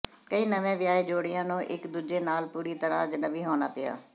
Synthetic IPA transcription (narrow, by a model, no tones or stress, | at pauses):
kəiːnəʋẽːʋɪjaːeːd͡ʒoːɽɪjãːnõːʔɪkd̪uːd͡ʒeːnaːlpuːɾiːt̪əɾã̰ːd͡ʒənəʋiːɦoːnaːpɪja̰ː